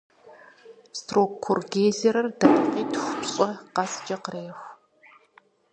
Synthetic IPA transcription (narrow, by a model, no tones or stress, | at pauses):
stroːkkʰʊrɡeːzɐɾɐrdaqiːtʰxʷʊpɕʼɔqɑsd͡ʒɐqəreːxʷ